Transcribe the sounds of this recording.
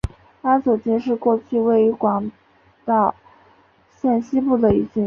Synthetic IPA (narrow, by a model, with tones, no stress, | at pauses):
a˥t͡su˨˩t͡ɕi˥˧nʂɻ̩˥˧kwɔ˥˧t͡ɕʰy˥˧we˥˩ɪi˧˥kwɑ˧˥ŋ | t̪ɑ˥˩ʊ | ɕjɛ˥˩nɕi˥pu˥˩d̪ə˩i˧˥t͡ɕi˥˩